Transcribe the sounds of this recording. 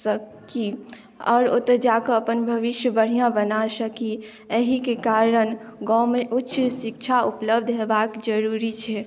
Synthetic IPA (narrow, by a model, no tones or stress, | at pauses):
səki | ɔ̰ːɾot̪əd͡ʒakəəpənbʱəʋiʃjəbəɽ̤ijãbənasəki | eɦikekaɾənɡɔ̃meʔutːʃʰsik̚t͡ʃʰaupləbd̪ʱɦebakd͡ʒəɾuɾit͡ʃʰɛ